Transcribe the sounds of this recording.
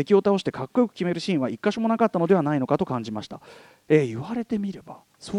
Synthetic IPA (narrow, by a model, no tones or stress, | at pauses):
e̞kʲio̞t̪ao̞ɕi̥t̪e̞kakːo̞jokɯ̟̥kʲime̞ɾɯ̟ɕĩːɰ̃βaikːaɕomo̞nakat̪ːano̞d̪e̞β̞anaino̞kat̪o̞kãɲ̟d͡ʑimaɕi̥t̪a̰ | eːiβaɾe̞t̪e̞mʲiɾe̞ba | so